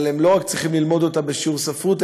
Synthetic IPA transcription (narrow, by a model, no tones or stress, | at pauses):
lemlo̞ʁakt͡sʁiχimlilmo̞d̪ot̪abeʃuʁsafut̪